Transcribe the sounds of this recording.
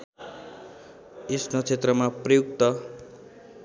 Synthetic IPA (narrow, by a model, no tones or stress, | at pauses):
esnot͡sʰet̪rʌmaprʌjuk̚t̪ʌ